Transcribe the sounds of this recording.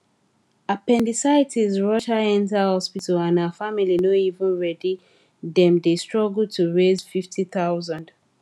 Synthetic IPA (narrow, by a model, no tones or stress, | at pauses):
apɛ̃ndisaɪtʰizɹɔʃaɛ̃ntahɔspitəlãnaəfamilinoivə̃nɹɛdi | dɛ̃mdestɹ̥ɔɡltʰuɹezfiftʰiθaʊzə̃nd